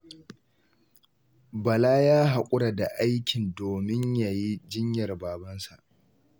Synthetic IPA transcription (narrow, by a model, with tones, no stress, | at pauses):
bɐ˨laː˦jaː˦ɦa˨kʷʼʊ˦ɽa˨da˨ʔa˦jkʲɪ˨ndoː˨mɪ˦ɲja˨ji˦d͡ʒɪ˦ɲjɐ˨rbaː˨bɐ˦nsa˨ʔ